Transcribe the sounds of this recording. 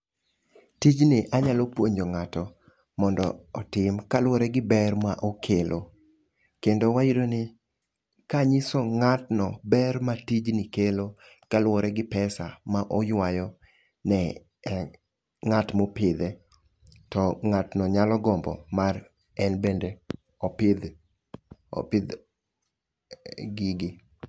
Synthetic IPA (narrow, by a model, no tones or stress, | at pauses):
tid͡ʒnɪʔaɲalopwoɲoŋatɔ | mɔndɔːtɪmkalwɔɾɛɡɪbɛrmaʔokʰelʔo | kendowajiɾonɪ | kaɲɪsoŋatnɔbɛrmatid͡ʒnɪkelo | kalwɔɾɛɡɪpɛsa̰maʔɔjwajɔ | nɛ | ŋatmopɪd̪e | tɔŋatnɔɲalɔɡɔmbɔ̰mar | ɛnbende | ɔpɪd̪ | ɔ̰pɪd̪ | ɡɪɡɪ